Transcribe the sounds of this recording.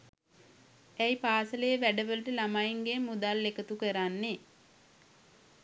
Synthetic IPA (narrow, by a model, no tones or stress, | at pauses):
æjpaːsələjəʋæɖəʋələʈəlamajiŋɡemːud̪alːekət̪ukəɾanːe